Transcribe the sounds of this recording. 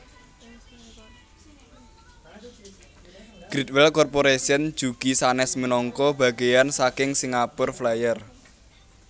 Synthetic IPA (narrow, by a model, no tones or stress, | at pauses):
ɡ̥ɾit̪̚wɛlkɔrpoɾesənd̥ʒ̥uɡ̥i̤sanɛsmənɔŋkɔb̥a̤ɡe̤jansakɪŋsiŋapʊrflajər